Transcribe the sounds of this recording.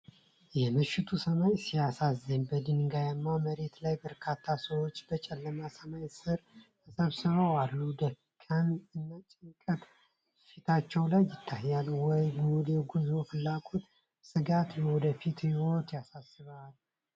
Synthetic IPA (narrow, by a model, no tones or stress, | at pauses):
jɛmɨʃɪt̪ʰusəmajsijasazːənbəd̪ɨnɡajamːaməɾe̞t̪lajbəɾkʰat̪ʰːasəwot͡ʃːbət͡ʃʼɛlːəmasəmajsɨɾt̪ʰəsəβsɨβəwalːud̪əkʰːənɨnːat͡ʃʼɛnkʼət̪ | ʃit̪ʰat͡ʃːɛwlajːɪt̪ʰːahːalwɔjɡuljɛɡuzofɨlːaɡot̪ | sɨɡat̪bəwɔd̪əfit̪hiwo̞t̪jasasːɨβal